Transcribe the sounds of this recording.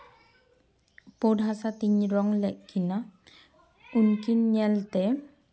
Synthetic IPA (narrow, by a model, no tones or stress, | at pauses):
podɦasatiɲɹɔŋlɛʔkʰːina | unkinːɛltɛ